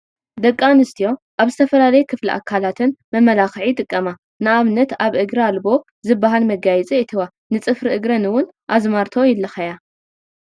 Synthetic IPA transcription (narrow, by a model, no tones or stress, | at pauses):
d̪ɐkʼːanɨst̪ʰijo̞ʔaβzɨt̪ʰɐfɐlalɐjukʰɨflḭʔa̰kʰːalat̪ʰɨnmɐmːɐlaxɨʕit̪ʼɨkʼːɐma | nɨaβnɐt̪aβʔɨɡɾialbo̞ | zɨbːaɦalmɐɡajɛt͡sʼiɨt̪ʰɨwa | nɨt͡sʼɨfɾiʔɨɡɾɐnɨwʊnʔazmaɾt̪ʰo̞jɪlːɐxɐja